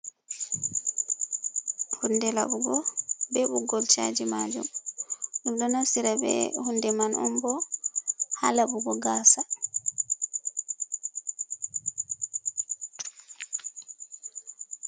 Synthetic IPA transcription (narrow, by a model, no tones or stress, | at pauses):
hundɛla̰buɡɔbɛbuɡɔlt͡ʃa̰d͡ʒimad͡ʒṵmɗundɔnasiɾabɛ̰hundɛmanʔɔ̰mbɔ | ha̰labuɡɔɡaːsa